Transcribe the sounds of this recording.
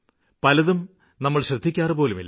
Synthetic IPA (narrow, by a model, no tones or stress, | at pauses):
pɐlɐðum | nɐmːɐɭɕrɐd̪ʱːikʲːaːrɨpo̞ːlumilː